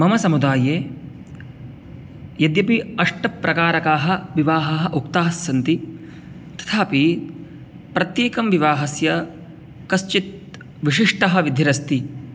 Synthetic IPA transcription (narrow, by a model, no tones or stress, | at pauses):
mɐmɐsɐmud̪aːjeː | jɐd̪jɐpiɐʂʈɐpːɾɐkaːɾɐkaːɦɐ̆ʋiʋaːɦɐɦɐʔukt̪aːsjɐnt̪i | t̪ɐ̥t̪ʰaːpi | pɾɐt̪jeːkɐmʋiʋaːɦɐsjɐ | kɐst͡ʃit̪̚ | ʋiʂiʂʈɐɦɐ̆ʋid̪ʱːiɾɐst̪i